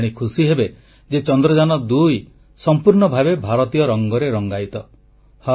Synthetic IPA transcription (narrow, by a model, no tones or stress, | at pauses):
ɽ̃ikʰusiɦebe | d͡ʒet͡ʃɔnd̪ɾɔd͡ʒanɔd̪uj | sɔmpuɾɳɔbʱabebʱaɾɔt̪ijɔɾɔŋɡɔɾeɾɔŋɡajt̪ɔ | ha